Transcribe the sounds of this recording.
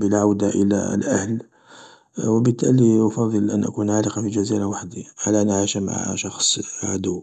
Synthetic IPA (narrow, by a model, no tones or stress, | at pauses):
bəlʕawd̪aʔəlæ̰lʔæ̰hl | wəbət̪ːæliʔɑfɑd̪ˤəlʔæ̰nʔæ̰kunʕaləqɑfiʒæziɾawaħd̪iʕalæʔənʔʕiʃæma̰ʕʃɑxsˤʕad̪ʊwː